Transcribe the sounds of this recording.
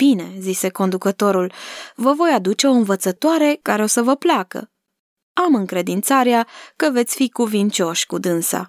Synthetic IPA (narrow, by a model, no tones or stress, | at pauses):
b̥ine̞zise̞ko̞nd̪ukət̪o̞ɾulvəvo̞jad̪ut͡ʃe̞o̞ɨnvət̪sət̪oaɾe̞kaɾeo̞səvəplakə̰ | amɨŋkɾe̞d̪int̪saɾeakəvet̪sʲfikuvint͡ʃo̞ʃʲkud̪ɨnsa̰